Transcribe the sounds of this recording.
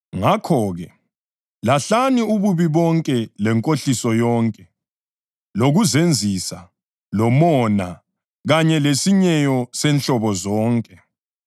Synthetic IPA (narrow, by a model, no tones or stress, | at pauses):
ŋakʰɔːɣɛ | laɬaniuβuβiβɔŋkʼɛlɛŋkʼoɬisɔjɔːŋkʼɛ | loɣuzend͡zʱisa | lɔmɔna | ɣaɲɛlesiɲɛjɔsɛnɬɔβɔzɔːŋkʼɛ